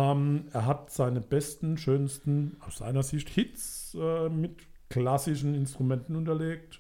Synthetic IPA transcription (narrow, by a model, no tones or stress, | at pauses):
meːɐɦatz̥aɪnəbɛstn̩ʃøːnstn̩aʊsz̥a̰ɪnɐzɪçthɪtt͡sʔɛːmɪtklasɪʃn̩ɪnstʁ̥umɛntn̩ʊntɐleːk̚t